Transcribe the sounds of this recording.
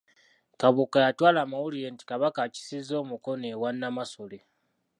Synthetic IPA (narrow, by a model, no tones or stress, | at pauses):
kaβukajatwaːlaːmawulije̞ːnti̥kaβakaci̥sizo̞ːmuko̞newanːamaso̞le